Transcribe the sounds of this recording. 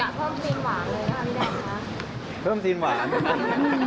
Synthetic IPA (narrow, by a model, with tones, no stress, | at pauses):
a˨˩pʰɤː˥˩mt̪iː˧nwaː˩˦ŋlɤː˧na˦˥˩t̪ʰi˦˥daː˧˩˧kʰa˦˥ | pʰɤː˥˩mt̪iː˧nwaː˩˦ŋ˧